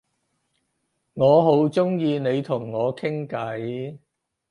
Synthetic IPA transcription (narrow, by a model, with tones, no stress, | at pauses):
ŋɔː˨˧ɦo˨˥wt͡sʊ˥ŋjiː˧ne˨˧jt̪ʰʊ˨˩ŋːɔː˨˧kʰɪ˥ŋkɐ˨˥j